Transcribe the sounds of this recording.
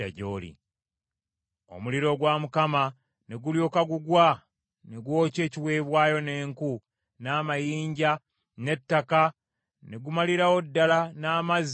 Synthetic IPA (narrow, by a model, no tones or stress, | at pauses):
aɟoːlḭ | o̞̰muliɾo̞ɡwamukama | neɡuljoːkaɡuɡwa | neɡwo̞ːce̞ːciwe̞ːβwaːjo̞ne̞ːŋku | naːmajiːɲɟa | ne̞tːaka | ne̞ɡumaliɾawo̞dːalanaːmaz